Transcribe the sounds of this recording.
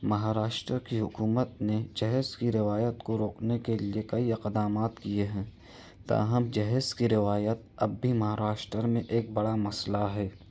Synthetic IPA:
mɐɦaːɾaːʃʈɾəkiɦʊkuːmət̪̚ned͡ʒɛɦɛzkiɾɪʋaːjət̪koɾoːknekeliekɐiɪqd̪aːmaːt̪kieɦɛ̃ː | t̪a̰ːɦəmd͡ʒɛɦɛskiɾɪʋaːjət̪̚ɐbbʱimɐɦaːɾaːʃʈɾəɾmẽʔeːk̚bɐɽamɐslaɦɛː

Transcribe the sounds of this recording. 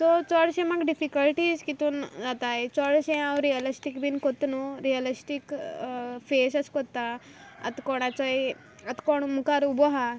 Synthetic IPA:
t̪ɔt͡sɔɽɕẽmaɡɖifikəlʈizkit̪und͡zat̪ajt͡sɔɽɕẽãwɾiəlisʈikbinkot̪nuɾijəlisʈik | fesəskɔt̪ːaɐ̰t̪kɔɽ̃at͡sɔj | ɐt̪kɔɳ̃mukaɾubɔɦa

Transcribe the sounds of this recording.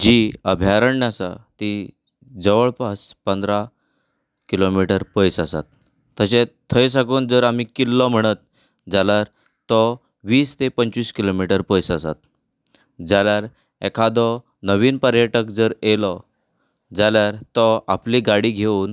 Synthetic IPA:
d͡ʑiəbʱjaɾəɳːjasa̰t̪i | d͡zəʋəɭpaspənd̪ɾa | kilomiʈəɾpəjsasa̰t̪̚ː | əɕet̪ʰːəjs̬akuːnd͡zəɾam̤iːkilːɔm̤əɽ̃ət̪̚ | d͡zaljaɾ | t̪ɔ | ʋiːst̪epəɲt͡ɕʋiːskilomiʈəɾpəjsasa̰t̪ | d͡zaljaɾ | ḛkʰad̪ɔ | nəʋiːnpəɾjəʈəkd͡zəɾelɔ | d͡zaljaɾt̪ɔapliɡaɽiːɡʱeuːn

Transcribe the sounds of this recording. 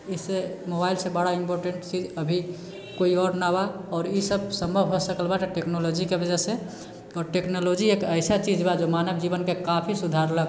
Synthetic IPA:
isemobajlsẽbəɽaimpoɾʈeɳʈt͡ʃid͡ʒəbʱi | koiɔɾnabaɔːɾisəbsəmbʱəbɦosəkəlbaʈʈeknolod͡ʒikebəd͡ʒəsẽ | ɔːɾʈeknolod͡ʒiekəɪsat͡ʃid͡ʒbad͡ʒomanəbd͡ʒiβənkekapʰisud̪ʱaɾlək

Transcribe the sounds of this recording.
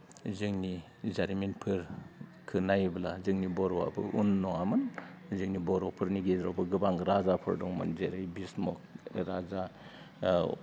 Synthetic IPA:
zɯŋni | zaɾiminpʰɯɾ | kʰɯnajbla̰zɯŋnibɔɾɔwa̰bɯ̰ʔunːɔamɯnzɯŋnibɔɾɔpʰɯɾniɡedɾɔbɯɡɯbaŋɾazapʰɯɾdɔŋmɯ̰nzeɾɯjbismɔkɾaza

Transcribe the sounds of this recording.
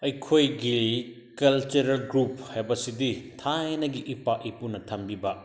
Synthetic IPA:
ɐjkʰojɡi | kɐlt͡ʃuɾɐlɡɾuphajbɐsiditʰajnɐɡiʔipaʔipunɐtʰɐmbibɐ

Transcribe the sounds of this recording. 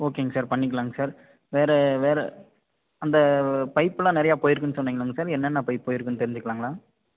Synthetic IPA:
oːkeːŋɡɐsaːɾpɐɳːɪkːɐɭaːŋɡɐsaːɾ | ʋeːɾɛʋeːɾɛ | ɐnd̪ɐpɐɪpːɯlãːnɪɾɐjaːpoːjɪɾɯkːɯnːɯsɔnːiːŋɡɐɭaːŋɡɐsaːɾɛnːɛnːapɐːɪpːoːjɪɾɯkːɯnːɯt̪ɛɾɪɲd͡ʒɯkːɐɭaːŋɡɐɭãː

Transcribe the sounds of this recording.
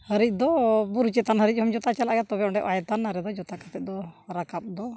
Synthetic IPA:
həɾic̚ˀd̪ɔbuɾut͡ʃɛt̪anɦəɾic̚ˀhɔmd͡ʒɔt̪at͡ʃalaʔɡat̪ɔbɛɔ̃ɳɖɛʔajt̪anːaɾɛd̪ɔd͡ʒɔt̪akat̪ɛt̪̚ˀd̪ɔɾakap̚d̪ɔ

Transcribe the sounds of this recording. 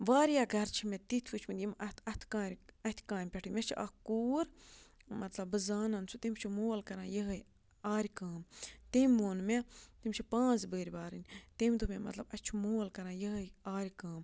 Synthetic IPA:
ʋaːɾjaːɡʱɐɾt͡ʃʰimet̪it̪ʰʋut͡ʃʰmit̪ʲjimɐɐt̪ʰkaːɾʲɐt̪ʰʲkãːnʲpʲeʈʰɨmʲet͡ʃʰiʔɐ̰kuːɾmɐt̪lɐbːɨzaːnɐnt͡sʰut̪imʲt͡ʃʰimoːlkɐɾãːjɐɦəj | aːɾʲkãːmt̪emʲːoːnmet̪imʲt͡ʃʰipãːnt͡sbəːɾʲbaːɾɨnʲt̪emd̪umʲemɐ̰t̪lɐbɐt͡ʃʰimoːlkɐɾãːjɐɦəjaːɾʲkãːm

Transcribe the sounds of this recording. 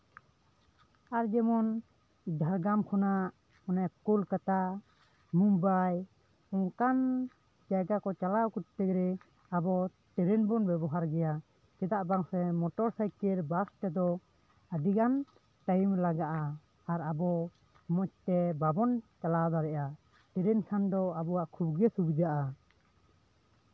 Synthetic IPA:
aɾd͡ʒɛmɔn | d̪ʱaɾɡamkʰɔnaʔ | ɔnajkulkat̪a | mumbaj | ɔŋkan | d͡ʒaɡakɔt͡ʃalawkuɾt̪ɛkɾɛ | abɔt̪ɛɾɛnbɔnbɛbɔɦaɾɡɛja | t͡ʃɛd̪aʔbaŋsɛmɔʈɔɾsajkɛɾbast̪ɛd̪ɔ | əɖiɡan | ʈajmlaɡaʔaː | ɾabɔ | mɔt͡ʃ̚t̪ɛbabɔnt͡ʃalad̪aɾɛʔa | t̪ɛɾɛnkʰand̪ɔabɔwaʔkʰubɡɛsubid͡ʒaʔa

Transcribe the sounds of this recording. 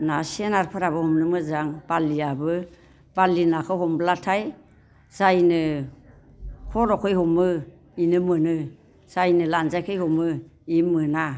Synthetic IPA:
nasienaɾpʰɯɾaβɯhɔmnɯmɯzaŋb̥alːiabɯ | b̥alːinakʰɯɦɔmblatʰaj | z̥ajnɯ | kʰɔɾɔkʰɯjhɔmɯ | inɯmɯnɯ | z̥ajnɯlanzajkʰɯjhɔmɯimɯna

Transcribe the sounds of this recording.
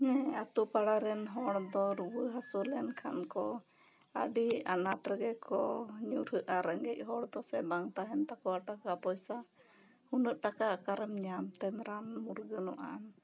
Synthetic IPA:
ɲɛ̃at̪upaɽaɾɛnɦɔɽd̪ɔɾuwəɦasulɛnkʰankɔ | ə̰ɖianaʈɾəɡɛkʰɔɲuɾhəʔaɾəŋɡɛc̚ˀɦɔɽd̪ɔsɛbaŋt̪aɦɛnt̪akɔaʈakapɔjsa | hunəʔʈakakaɾəmɲamt̪ɛnɾanmuɾɡənɔʔa̰n

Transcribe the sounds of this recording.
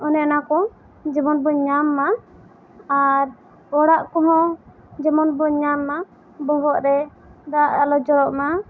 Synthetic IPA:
ɔnɛnakɔ̃ | d͡ʒibɔnbɔɲamːa | aɾ | ɔɽaʔkɔɦɔ̃ | d͡ʒɛmɔnbɔɲamːa | bɔɦɔʔɾɛ | d̪aʔalɔd͡ʒɔɾɔʔma

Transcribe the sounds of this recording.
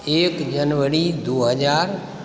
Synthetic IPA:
eːkd͡ʒənʋəɾid̪oːɦəd͡ʒaːɾ

